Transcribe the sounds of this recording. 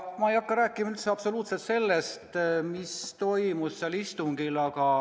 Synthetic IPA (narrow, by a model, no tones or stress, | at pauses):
mɑejɑkːɑɾæːkˑːimɑyt̪seɑpso̞luːt̪se̞lt̪se̞lːest̪mist̪o̞jmusːelist̪uŋɡilɑɡ̥ɑ